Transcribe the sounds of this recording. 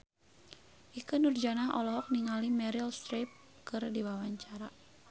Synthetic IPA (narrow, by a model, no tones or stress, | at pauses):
ʔikɨnurd͡ʒanaɦɔlɔɦɔk̚niŋalimɛɾilst̪ɾep̚ | kɨrdiwawaɲt͡ʃaɾa